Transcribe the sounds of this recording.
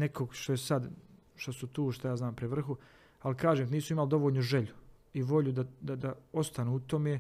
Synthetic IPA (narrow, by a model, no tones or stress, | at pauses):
nekʰoɡʃt̪ojesad̪ | ʃt̪osut̪uːʃt̪ajaːznaːmpɾeʋr̩xu | alikaːʒeːmniːsuimald̪o̞ʋoːʎnuʒeʎuiʋo̞ʎud̪ad̪ad̪ao̞st̪anuut̪o̞me